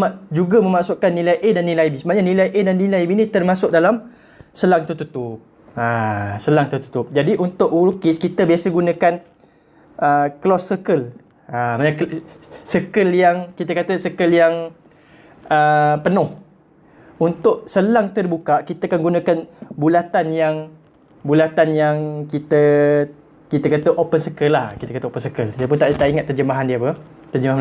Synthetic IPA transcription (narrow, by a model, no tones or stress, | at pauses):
ad͡ʒuɡamə̃maʔsʊʔkanːilajʔedanːilajbisəbap̚ɲanilajʔedanːilajbinĩt̪ərmasʊk̚dalam | səlaŋt̪ut̪ut̪up̚ | əsəlaŋt̪ut̪ut̪ʊp̚d͡ʒadiʔunt̪ʊʔulukɪskit̪əbiasəɡunakan | əklɔsːəkəl | əmana | səkəljaŋkit̪əkat̪əsəkəljaŋ | əpənʊh | unt̪ʊʔsəlaŋt̪ədibukaʔkit̪aakanɡunãkanbulat̪anjaŋ | bulat̪anjaŋkit̪ə | kit̪akat̪əʔopənsəkəlahkit̪əkat̪əopənsəkəliap̬ʊnt̪aʔt̪aʔiŋat̪ːərd͡ʒəmaɦandiəapə | t̪ərd͡ʒəmaɦ